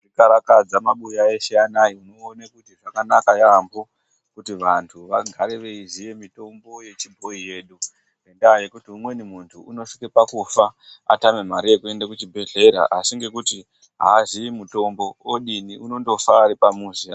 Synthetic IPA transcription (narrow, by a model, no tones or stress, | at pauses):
ʐrikaɾakad͡zamaɓujaeʃeanaiuno̞ːnakutiʐakanakajambo | kutiʋantʰuʋaɡʱaɾiʋeiʐije̞mito̞mbo̞je̞t͡ʃibʱo̞ije̞ːɗu | endaːje̞kutiumwe̞nimuntʰuːno̞ʂikepakufaa̰tame̞maɾije̞kue̞ndakut͡ʃibʱe̞ɮe̞ɾa̰ʔasiŋɡe̞kuti | ɦa̰ːʐiimuto̞mbo̞woɗiniuno̞ndo̞faːɾipamuːza